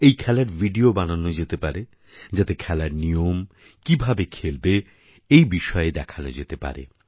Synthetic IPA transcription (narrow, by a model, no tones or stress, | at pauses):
ejkʰɛlaɾvʱiɖiobananːod͡ʑet̪epaɾe | d͡ʑat̪ekʰɛlaɾnijom | kibʱabekʰelbe | ejbiʃɔed̪ɛkʰano̰d͡ʑet̪epa̰ɾḛ